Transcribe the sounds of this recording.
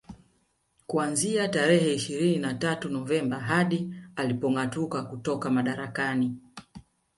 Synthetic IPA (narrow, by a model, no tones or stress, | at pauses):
kuanziataɾɛhɛiʃiɾininatatunɔvɛmbaɦaɗialipɔŋatukakutɔkamaɗaɾakani